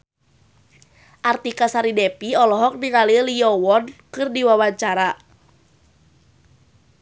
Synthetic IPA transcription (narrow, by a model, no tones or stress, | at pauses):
ʔart̪ikasaɾidɛpiɔlɔɦɔk̚niŋaliliɔwɔnkɨrdiwawaɲt͡ʃaɾa